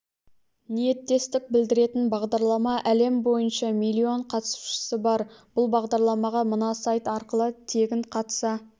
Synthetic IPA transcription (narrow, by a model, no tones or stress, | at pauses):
nije̞t̪ːe̞st̪ɪk̚bɪld̪ɪɾe̞t̪ɪnbɑʁd̪ɑɾlˠɑmɑʔæle̞mbo̞jənʃɑmilʲːio̞ɴqʰɑt̪su̥ʃə̥sɪbɑɾb̥ʊlˠbɑʁd̪ɑɾlˠɑmɑʁɑmənɑsɑjt̪ɑɾqəlˠət̪ʰe̞ɡʲɪɴqʰɑt̪sɑ